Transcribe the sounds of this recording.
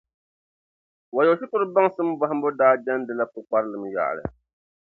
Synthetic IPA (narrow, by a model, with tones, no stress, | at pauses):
wa˨jɛ˨˦ʃɪ˦kʊ˦ɾɨ˦ba˦ŋsɨ˦m˦ba˦ha˦mbʊ˦daː˦d͡ʒa˦n˦dɨ˦la˦kʊ˨k͡pa˦ɾɨ˦lɨ˨m˨ja̰˨ʔlɨ̰˨